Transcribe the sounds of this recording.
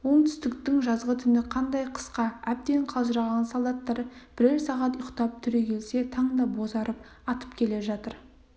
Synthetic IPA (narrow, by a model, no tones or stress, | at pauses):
wo̞ɴt̪ʰʏ̥st̪ɪkt̪ɪŋʒɑzʁət̪ʰʏnɪqʰɑnd̪ɑjqʰə̥sqɑæp̚t̪e̞ɴqʰɑlˠʒəɾɑʁɑnsɑlˠd̪ɑt̪ːɑɾəb̥ɪɾeɾsɑʁɑt̪jqt̪ɑp̚t̪ʰʏɾe̞kʲʰe̞lse̞t̪ʰɑɴd̪ɑbo̞zɑɾəp | ɑt̪ə̥pkʲʰe̞le̞ʒɑt̪əɾ